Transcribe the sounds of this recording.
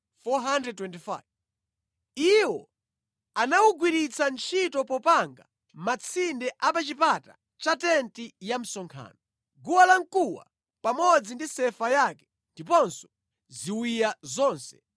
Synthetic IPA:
fɔɦandɾɛd̚twɛntifa̰jv | iwɔ | anawuɡwiɾit͡sʰant͡ʃʰitɔpɔpaŋɡa | mat͡sʰindɛʔapat͡ʃipata | t͡ʃatɛntijam̩sɔŋkʰa̰ːnɔ | ɡuwalaŋkuwa̰ | pamɔd͡zindisɛfajaːkɛ̥ | ndipɔnsɔ̥ | ziwijazɔːnsɛ̥

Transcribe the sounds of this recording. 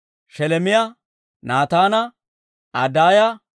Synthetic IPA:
ʃɛlɛmɪjɐ | naːt̪aːnɐ | ɐd̪aːjɐ

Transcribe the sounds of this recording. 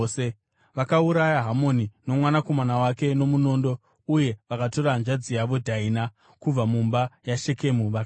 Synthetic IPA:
e | ʋakauɾajaɦamo̞nino̞mwanako̞manawake̞no̞muno̞ːndo̞ | uje̞ʋakato̞ɾand͡ʒad͡zijaʋo̞dʱaina | kub͡vamumbajaʃe̞ke̞muʋa

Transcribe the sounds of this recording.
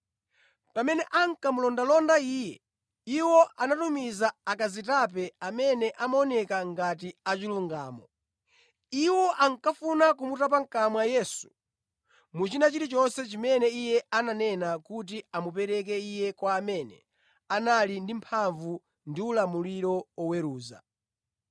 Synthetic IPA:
pamɛnɛʔaŋkamulɔndalɔndaiːjɛ | iwɔʔanatumizaakazitap̬ɛamɛnɛʔamaɔnɛkaŋɡatiat͡ʃiluŋɡa̰ːmɔ | iwɔʔaŋkafunakumutap̬aŋkamwajɛːsu̥ | mut͡ʃinat͡ʃiɾit͡ʃɔnsɛt͡ʃimɛnɛijɛʔananɛnakut̬iamupɛɾɛk̬ɛijɛkwaːmɛnɛ̰ | analindimpʰaɱvu | ndiulamuliɾɔwɔwɛɾuːza̰

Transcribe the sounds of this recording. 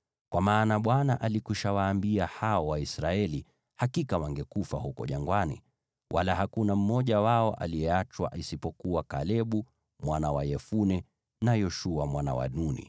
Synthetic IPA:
kwamaːnaɓwanaʔalikiʃawaːmbiahaɔwaisɾaɛli | hakikawaŋɡɛkufahukɔ̰ʄaŋɡwanḭ | wʔalahakunam̩mɔʄawaɔʔa̰lijɛat͡ʃwa̰ʔisipɔkuakalɛɓu | mwanawajɛfunɛ | najɔʃuamwana̰wa̰nunḭ

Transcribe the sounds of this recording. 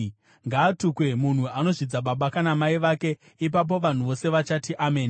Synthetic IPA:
ŋɡaːtukwe̞mun̤uano̞ʐid͡zaɓaɓakanamaiʋake̞ | ip̬ap̬o̞ʋan̤uʋo̞se̞ʋat͡ʃatiʔameːni

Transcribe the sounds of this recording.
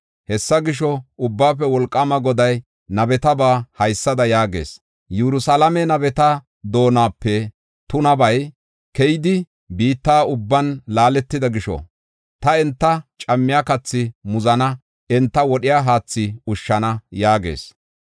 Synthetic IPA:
hɛsːɐɡɪʃɔʊbːaːpːɛwɔlkʼːɐmɐɡɔd̪ɐj | nɐbɛt̪ɐbaːhɐjsːɐd̪ɐjaːɡḛːs | jɛɾʊsalɐmɛnɐbɛt̪ɐ | d̪o̞ːnaːpːɛ | t̪ʊnɐbɐj | kɛjɪd̪ɪ | biːt̪ːaːʊbːɐnlaːlɛt̪ːɪd̪ɐɡɪʃɔ̰ | t̪ɐɛnt̪ːɐt͡ʃʼɐmːɪjakɐt͡sːɪmʊzɐnɐ | ɛnt̪ːɐwɔɗɪjaːɦaːt͡sːɪʊʃːɐnɐjaːɡḛːs

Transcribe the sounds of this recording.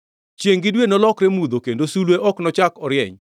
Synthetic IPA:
t͡ʃjeŋɡɪdwenɔlɔkɾemud̪okendosulweʔɔknɔt͡ʃakɔɾjɛ̰ɲ

